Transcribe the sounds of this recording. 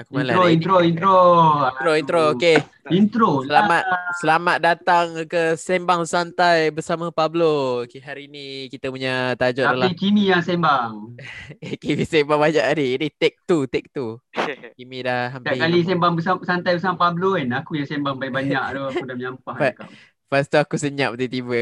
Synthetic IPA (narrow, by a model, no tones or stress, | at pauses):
akumalaoint̪ɾoint̪ɾoit̪ɾoint̪ɾooke | int̪ɾolamat̪̚səlamat̪̚dat̪aŋkəsɛmbaŋsant̪ajbəsamapablokeɦaɾiinikit̪əpuɲat̪ad͡ʒɔʔadalaikimijaŋsɛmbaŋ | kimisɛmbaŋbaɲaʔdiinit̪ɛk̚t̪ut̪ɛk̚t̪ukimidahɦamt̪akalis̬ɛmbaŋbəsasant̪ajbəsamapabloɛnakujaŋsɛmbaŋbajbaɲakduaudahməɲampahaka | past̪uakusəɲaʔp̚t̪ut̪ibə